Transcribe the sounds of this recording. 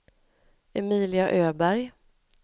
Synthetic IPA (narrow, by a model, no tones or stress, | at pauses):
ɛmiːlɪaʔøːbæɾj